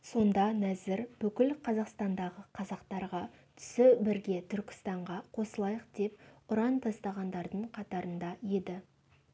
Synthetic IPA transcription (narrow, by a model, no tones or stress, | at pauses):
so̞nd̪ɑnæzɪɾb̥ʏkʲɪlqʰɑzɑqst̪ɑnd̪ɑʁəqʰɑzɑqt̪ɑɾʁɑt̪ʰʏ̥sɪbɪɾɡʲe̞t̪ʰʏɾkʲɪ̥st̪ɑɴʁɑqʰo̞səlˠɑjəq̚d̪̥e̞p̚ʊɾɑnt̪ʰɑst̪ɑʁɑnd̪ɑɾd̪əɴqʰɑt̪ɑɾənd̪ɑje̞d̪ɪ